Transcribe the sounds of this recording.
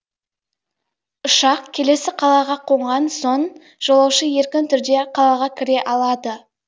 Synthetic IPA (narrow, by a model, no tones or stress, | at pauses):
ʊʃɑqkʲʰe̞le̞sɪqʰɑlˠɑʁɑqʰo̞ɴʁɑnso̞ɴ | ʒ̥olˠɑwʃəje̞ɾkʲɪnt̪ʰʏɾd̪e̞qʰɑlˠɑʁɑkʲʰɪɾe̞ʔɑlˠɑd̪ə